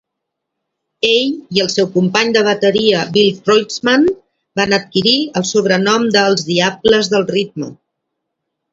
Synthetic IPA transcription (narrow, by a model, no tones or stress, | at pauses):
eʎiəlˠsɛwkumpaɲd̪əβ̞ət̪əɾiəbilˠtɾojsman | banət̪̚kiɾiəlˠsuβ̞ɾənɔmd̪əlˠzðiabləzðəlˠrit̪̚mə̰